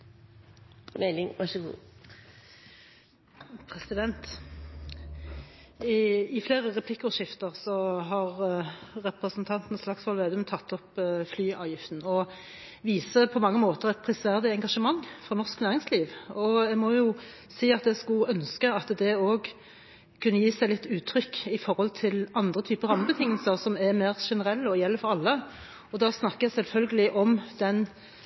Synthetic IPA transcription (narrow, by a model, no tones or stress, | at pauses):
mɛlɪŋʋɑʂəɡṵː | pʰʁɛsɪd̪ɛnt̪ | ɪfleːʁəʁɛpʰlɪkːʊʃɪft̪əʁsɔɦɑʁʁɛpʁəsnt̪ʰɑnt̪n̩slɑksʋɑlʋeːd̪ʉmt̪ʰɑt̪ʰːɔpflyːɑ̰ːʋjɪft̪n̩ɔ | ʋiːsəpʰɔmɑŋːəmoːt̪əʁɛt̪̚pʰʁɪsʋæʁd̪ɪɛŋɡɑʂəmɑŋːfɾʁɔnɔʁsknæːʁɪŋsliːʋɔɛɡmɔjʊ | siːɑt̪d̪ɛskʉœnskəɑt̪d̪ɛoːɡ | kʰʉnːəjiːsæɪlɪt̪ːʉːt̪ʰɾʏkːɪfɔɾhɔlt̪ʰɪlɑnd̪ʁət̪ʰyːpəɾɑmːəbət̪ʰɪŋːəlsəʁsɔmɛmæːʁʃɛnəɾɛlːɔjɛlːəfɔɾɑlːə | ɔd̪ɑːsnɑkːəɛsɛlfœlɡəlɪʔɔmd̪̥ɛn